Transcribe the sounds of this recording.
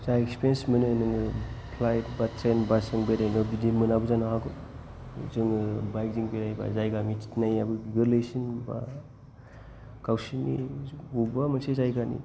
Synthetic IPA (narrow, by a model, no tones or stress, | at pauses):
zajekspiɾensmɯnɯnɯŋpʰlajt̚batʰɾajnbasɯŋbeɾajnɯbidimɯnabɯzanaɦaɡɯ | zɯŋɯbajk̚ziŋbeɾajba̰zajɡamitʰnajabɯɡɯlɯjsinba̰ | kawsinḭɡubamɯnsezajɡanḭ